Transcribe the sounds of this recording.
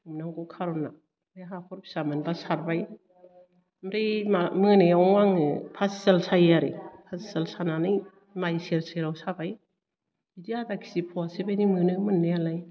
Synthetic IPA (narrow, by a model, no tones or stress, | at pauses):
umnaŋɡɔkʰaɾɔna | eɦakʰɔɾbʰi̥samɯnbasaɾbaj | mɾejmamɯnɯjawaŋɯpʰasisalsajaɾḭpʰasisalsananɯj | majseɾsajɾawsabaj | idiadakʰi̥sipʰɔasebajnimɯnɯmɯnːejalaj